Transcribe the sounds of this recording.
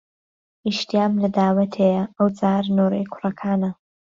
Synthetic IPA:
iʃt̪iaːmlɐd̪aːwɐt̪ʰejɐɐwt͡sʼaːɾnoːɾejkʷʰʊrɐkʰaːnɐ

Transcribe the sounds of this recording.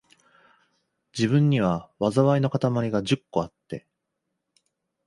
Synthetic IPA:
d͡ʑibɯ̟̃ɲ̟ːiβ̞aβazaβaino̞kat̪amaɾʲiɡad͡ʑɨkːo̞at̪ːe̞

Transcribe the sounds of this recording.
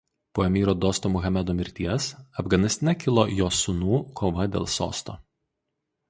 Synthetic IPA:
poːɛmʲiːɾoːd̪oːst̪oːmʊɣɐmʲɛd̪uːmʲɪɾʲt̪ʲiɛsɐfɡɐnʲɪst̪ʲnʲɛkʲɪlˠojoːsʊnuːkʰoːʋɐd̪ʲḛːlˠso̰ːst̪o̰ː

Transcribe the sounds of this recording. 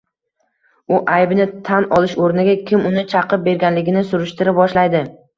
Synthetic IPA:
ʊʔajbnɪt̪ʰanɒlˠɪʃoɾnɪɡʲakʲʰɪmʊnɪt͡ʃʰɑqɨp̚be̞ɾɡʲanlɪɡʲɪnɪsʊɾɪʃt̪ɪɾɪp̚bɒʃlajd̪ɪ

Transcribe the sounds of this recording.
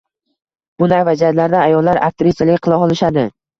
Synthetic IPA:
b̥ʊnavad͡ʒat̪laɾd̪aajɒlˠːaɾa̰k̚t̪ɪɾɪsjalɪkʲqʰɨlˠaɒlˠɪʃad̪ɪ

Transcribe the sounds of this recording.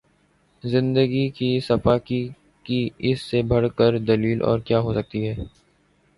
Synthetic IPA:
zɪ̃nd̪əɡikisɐfaːki | kiɪsːebʱɐɽkəɾd̪ɐliːlʔɔ̰ːɾkjaːɦoːsɐk̚t̪iɦɛː

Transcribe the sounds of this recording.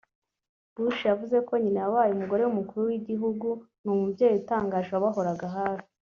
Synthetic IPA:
b̥uʃjavuze̞ko̞ɲineawaːjumuɡo̞ɾe̞wumukuɾuwiɟiɦuɡun̥umubɟeːjutaːŋɡaːʒβaβaɦo̞ɾaɡaɦaːɾi̥

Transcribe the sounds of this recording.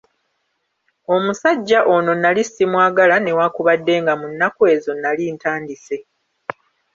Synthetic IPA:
o̞musaɟːaʔo̞no̞nalisimwaːɡalane̞waːkuβadːe̞ŋɡamunːakue̞zo̞nːaliːntaːndise̞

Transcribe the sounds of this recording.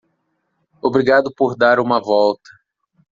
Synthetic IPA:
obɾiɡad̪ʊpoɾd̪aɾũmɐvɔwt̪ɐ̥

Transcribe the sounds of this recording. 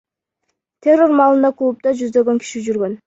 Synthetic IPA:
t̪ʰʲe̞rːo̞ɾmɑːlˠɯnd̪ɑkʰuːup̚t̪ɑd͡ʒyzd̪ø̞ɡø̞ŋkʰi̥ʃid͡ʒyɾɡø̞n

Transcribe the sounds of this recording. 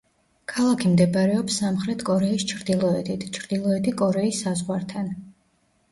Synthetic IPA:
kʰalˠakʰimd̪ɛbaɾɛɔpsːamχɾɛt̪ʰkʼɔɾɛist͡ʃʰɾd̪ilˠɔɛt̪ʰit̪ʰt͡ʃʰɾd̪̥ilˠɔɛt̪ʰikʼɔɾɛisːazʁwaɾt̪ʰan

